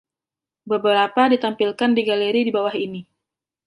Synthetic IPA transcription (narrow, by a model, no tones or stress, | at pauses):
bəbəɾapadit̪ampilkandiɡaleɾidibawahini